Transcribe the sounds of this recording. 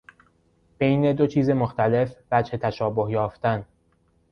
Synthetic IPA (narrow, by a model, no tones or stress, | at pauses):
b̥e̞jne̞d̪o̞t͡ʃʰiːzemoxt̪æle̞fvæd͡ʒhe̞t̪ʰæʃɒːbo̞hjɒːft̪æn